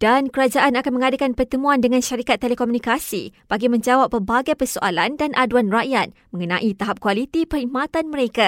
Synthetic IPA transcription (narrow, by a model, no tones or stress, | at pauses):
d̥ankəɾad͡ʒaʔanakanmə̃ŋadakanpərt̪əmũãndəŋãnʃaɾikat̪ːelekomunikasḭb̥aɡimə̃ɲd͡ʒawapːərbaɡajpərsoʔalandanʔaduanraʔjat̪̚mə̃ŋənãʔit̪aɦap̚kwalit̪ipəɾimat̪anmə̃ɾeka